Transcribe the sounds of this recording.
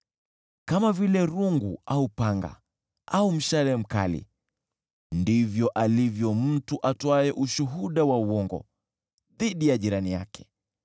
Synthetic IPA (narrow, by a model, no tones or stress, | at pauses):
kamavilɛɾuŋɡuʔaupaŋɡa̰ | aum̩ʃalɛm̩ka̰lḭ | ndivjɔʔalivjɔm̩tuʔatɔaɛʔuʃuɦuɗawauwɔŋɡɔ̰ | ðiɗijaʄiɾanija̰kʰɛ̥